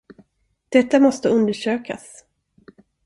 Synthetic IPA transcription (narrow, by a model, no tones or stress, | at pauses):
d̪̥ɛt̪ːamɔst̪əɵnd̪əʂøːka̰s